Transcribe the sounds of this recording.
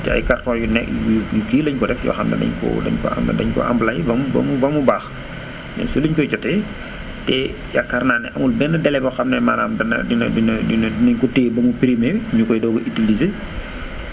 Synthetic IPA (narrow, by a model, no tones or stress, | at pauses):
tɛɐ̰jkartɔːjunɛkjujukiːlɐɲkɔdɛfjɔ̰ːxɐmnɛ̰dɐ̰ɲkɔ̰dɐ̰ɲkɔ̰a̰m̰dɐɲkɔ̰ʔa̰mblajbɐmbɐ̰mubɐmubaːx | nɛ̰suliɲkɔt͡ʃɔtɛ | tɛ | jakːarnaːnɛʔɐmulbɛnːədɛlɛbɔxɐmnɛmana̰ːmdɐnɐ̰dindindinnɐɲkɔteːbɐmupiɾimeɲukɔjdɔːbɐʔitilize